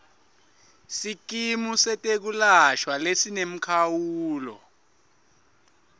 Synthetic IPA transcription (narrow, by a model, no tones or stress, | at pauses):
sik̬imusɛtʼek̬ulaʃwalesinem̩kʰawuːlɔ̰